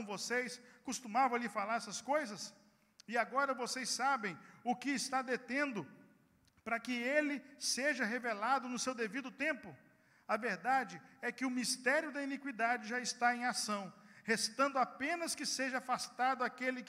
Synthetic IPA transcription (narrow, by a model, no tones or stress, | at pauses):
vosejskʊst̪umavɐ̃alifalaɾɛsɐskojzɐs | ɪaɡɔɾɐvosejsabẽj̃ʊkɪːst̪ad̪et̪ẽnd̪ʊ | pɾɐkɪelɪseʒɐɦevelad̪ʊnʊsewd̪evid̪ʊt̪ẽmpʊ | ɐveɾd̪ad͡ʒɪɛkɪʊmist̪ɛɾjʊd̪ɐinikwid̪ad͡ʒɪʒaɪst̪aẽj̃asɐ̃w̃hest̪ɐ̃nd̪ʊapẽnɐskɪseʒɐafast̪ad̪ʊakelɪk